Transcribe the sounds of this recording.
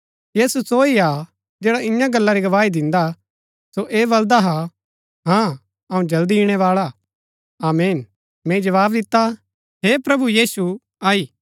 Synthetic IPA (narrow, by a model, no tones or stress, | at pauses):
jiːsusoːia | d͡ʒɛːɽaʔɪ̃jãɡɐlːaɾiɡɐʋaːid̪ɪ̃nd̪a | soʔeːbɐld̪aɦa | ɦãː | ɐũd͡ʒɐld̪iːɽ̃eʋaːɭa | aːmeːn | mɛ̃ːid͡ʒɐʋaːbd̪ɪt̪ːa | ɦeːpɾɐbujiːsu | aːiː